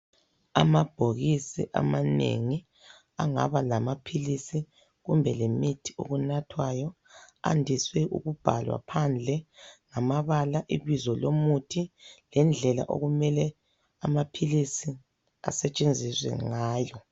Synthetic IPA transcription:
a̰mab̥ʱoɣisḭʔa̰manḛŋi | aŋa̰βalamapʰilisi | ɣumbʱɛlemitʰi̥o̰ɣunatʰwajɔ | a̰ndʱiswɛʔṵɣub̥ʱalwa̰pʰand͡ɮʱɛŋamaβalaʔiβizɔlomutʰilɛnd͡ɮʱɛla̰ʔo̰ɣumɛlɛ | amapʰilisi | a̰sɛt͡ʃʼend͡zʱiswɛ̰ŋaːjɔ

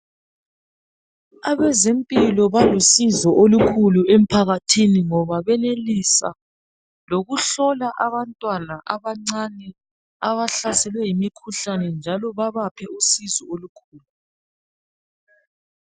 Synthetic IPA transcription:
aβɛzempʼilɔβalusizɔʔolukʰuluem̩pʰaɣatʰiniŋɔβaβɛnelisa̰ | loɣuɬɔlaʔaβantʼwanaʔaβaŋ͡ǀanɛ | aβaɬasɛlwɛjimikʰuɬanɛnd͡ʒʱalɔβaβapʰɛusizɔolukʰuːlu

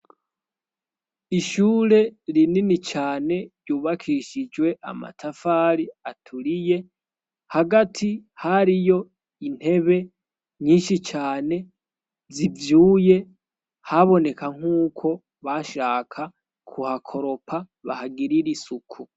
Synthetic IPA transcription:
iʃuːɾe̞ɾininit͡ʃaːne̞ɾjuːβakʰiʃid͡ʒwe̞ʔa̰ma̰tʰafaɾiatʰuɾije̞ | haɡatʰihaɾijo̞ | in̥he̞βe̞ | ɲiːnʃit͡ʃaːne̞ | zivjuːje̞ | haβo̞ne̞kaŋ̥uːkʰo̞ | βaʃaːkʰa | kʰuhakʰo̞ɾo̞pʰa | βa̰haɡiɾiɾisukʰu

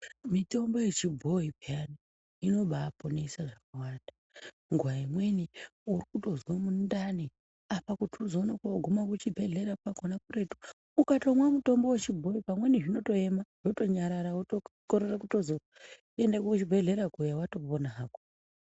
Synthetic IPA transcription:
mito̞mbo̞je̞t͡ʃibʱo̞ipiani | ino̞ɓaːpo̞ne̞saʐakawaːnda | ŋɡwaimwe̞niuɾikuto̞zwamundani | apakutuzo̞nakuoɡʱumakut͡ʃibʱe̞ɮe̞ɾapakonakure̞tu̥ | ukato̞mwamuto̞mbo̞wet͡ʃibʱo̞ipamwe̞niʐino̞to̞emaʐ̥oto̞ɲaɾaɾautokoɾerakuto̞zo | endakukut͡ʃibʱeɮe̞ɾakujawato̞ponaaːko̥

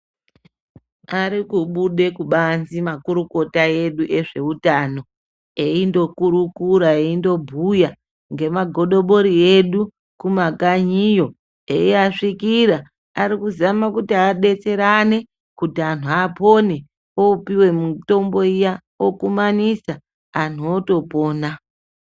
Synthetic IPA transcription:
aɾikuɓuɗe̞kuɓanzimakuɾuko̞tae̞ɗuʔe̞ʐe̞utano̞ | e̞indo̞kuɾukuɾaeindo̞bʱuja | ŋɡe̞maɡʱo̞ɗo̞ɓo̞ɾie̞ɗu | kumakaɲijo̞ | e̞̰iaʂikiɾa | aɾikuzamakutiaɗe̞t͡se̞ɾane̞ | kutian̤uapo̞ne̞ | oupiwe̞muto̞mbo̞ija | wokumanisaː | n̤uoto̞po̞ːna

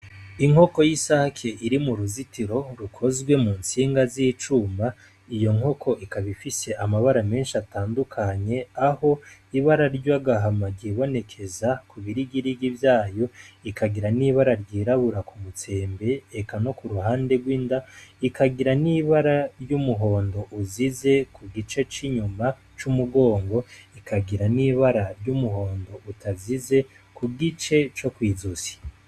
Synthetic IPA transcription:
iŋho̞ko̞jisakʰeʔiɾimuɾuzitiɾo̞ɾukʰo̞zɡwe̞muːnsiːŋɡaziːt͡ʃuma | ijo̞ŋo̞kʰo̞ʔikaβifise̞ʔamaβaɾame̞ːnʃiataːndukʰaɲe̞aho̞iβaɾaɾɟwaɡaɦamaɟiβo̞ne̞kʰe̞zakuβiɾiɡiɾiɡivjaːjo̞ikʰaɡiɾaniːβaɾaɾɟiːɾaβuɾakumut͡se̞ːmbe̞ːkano̞kuɾuɦaːndeɡwiːndaikʰaɡiɾaniːβaɾaɾjumuɦo̞ːndo̞ʔuzize̞kʰuɡit͡ʃe̞t͡ʃiɲuma | t͡ʃumuɡo̞ːŋɡo̞ikʰaɡiɾaniːβaɾaɾjumuɦo̞ːndo̞ʔutʰazize̞ | kuɡit͡ʃe̞t͡ʃo̞kwiːzusi̥

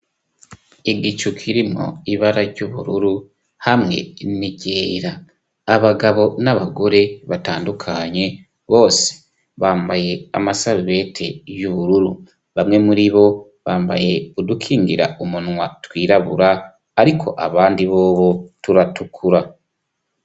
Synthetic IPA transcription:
iɡicukʰiɾimo̰iβaɾaɾɟuβṵɾuɾu | hamŋe̞̰niɟeiɾaː | βaɡaβo̞naβaɡo̞ɾe̞βataːndukʰaɲe̞ | βo̞ːse̥ | βaːmbaje̞a̰masaβiβe̞ːtʰe̞juβuɾuɾu | βamŋe̞muɾiβo̞ | βaːmba̰je̞odukʰiːŋɡiɾa̰umunwatwiːɾaβṵɾaː | ɾikʰo̞̰ʔaβaːndiβo̞ːβotuɾatukʰuɾa

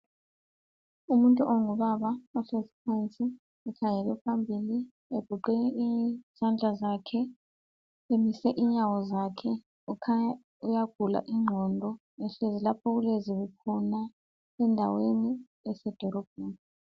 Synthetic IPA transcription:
umuntʼuʔoŋuβaβaɔɬezipʰant͡sʼi | ɛkʰaŋɛlɛpʰambʱiːli | eɡ̥ʱuǃɛiz̥and͡ɮʱazakʰɛ | emisɛʔiɲawɔzakʰɛ | ukʰa | ujaɡ̥ʱula̰ʔiŋ͡ǁʱɔndʱɔ | ɛɬezilapʰɔɣuleziβukʰɔna | ɛndʱa̰weni | ɛsɛd̥ʱɔɾɔb̥̚ʱɛːn

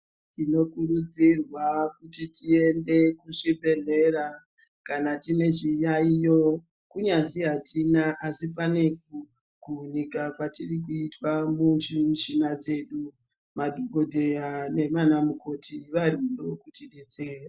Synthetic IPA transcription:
tino̞kurud͡zirwakutitie̞nde̞kuʐibʱe̞ɮe̞ra | kanatine̞ʐijaijo̞ | kuɲaziɦatʰinaʔasipane̞ku | kunikakwatirik̬uitwamuimʃinad͡ze̞ɗu | madʱoɡʱodʱejane̞manamuko̞tʰiʋarinokutiɗet͡seːra

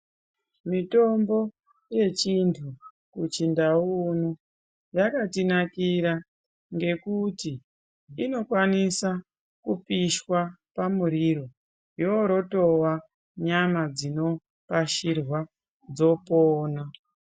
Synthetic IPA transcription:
mito̞mbo̞ | je̞t͡ʃintʰu | kut͡ʃindauno | jakatinakiɾa | ŋɡe̞kuti | ino̞kwanisa | kupiʃwapamuɾiɾo̞ | joɾo̞to̞wa | ɲamad͡zino̞ | paʃirwa | d͡zo̞poːna

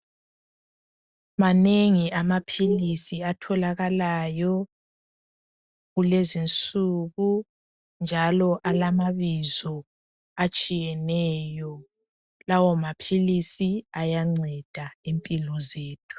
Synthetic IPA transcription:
maneŋiamapʰilisiatʰɔlaɣalajɔ | ɣulezint͡sʼuɣu | nd͡ʒʱalɔʔalamaβizɔ | at͡ʃʼijɛnɛjɔ | lawɔmapʰilisiajaŋ͡ǀʱɛd̥ʱaempʼilɔzeːtʰu̥

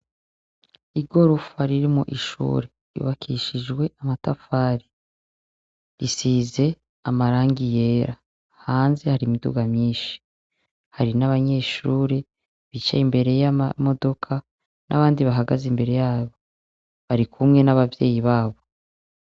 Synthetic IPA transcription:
iɡo̞ɾufaɾiɾimo̰ʔiʃṵːɾe̞ | jṵβakʰiʃid͡ʒɡwe̞amatafaːɾi | ɾisiːze̞ | amaɾaːŋɡije̞ːɾa | haːnze̞haɾimidṵɡamɲiːʃi̥ | haɾinaβaɲe̞ːʃuːɾe | βit͡ʃa̰imbe̞ɾe̞jamamo̞do̞kʰa | nʔa̰βaːndiβaɦaɡazimbe̞ɾe̞jaːβo̞ | βaɾikʰumŋe̞naβavje̞̰ːjiβaːβo̞

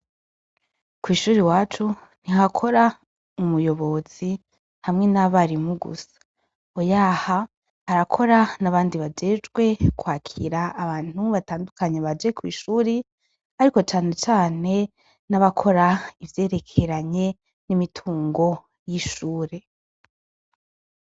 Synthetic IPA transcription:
kwiːʃuːɾiwaːt͡ʃun̥iɦakʰo̞ɾa | umujo̞βo̞z̥i | hamŋe̞naβaɾimuɡṵsḁ | ojaha | haɾakʰo̞ɾanaβaːndiβad͡ʒe̞ːd͡ʒɡwe̞kwaːkʰḭɾaːβaːn̥huβataːndukaɲeβad͡ʒe̞kwḭːʃuːɾi | aɾiko̞t͡ʃaːne̞t͡ʃaːne̞ | naβakʰo̞ɾaivje̞ːɾe̞kʰe̞ɾaɲe̞ | nimitʰuːŋɡo̞ | jiʃuːɾe̞

